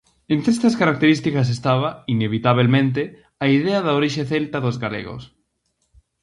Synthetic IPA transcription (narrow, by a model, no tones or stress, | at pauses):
ẽnt̪ɾest̪ɐskaɾak̚t̪eɾist̪ikɐs̬est̪aβɐineβ̞it̪aβelmẽnt̪̬e | aiðeɐðaoɾiʃeθelt̪ɐðozɣalḛɣo̰s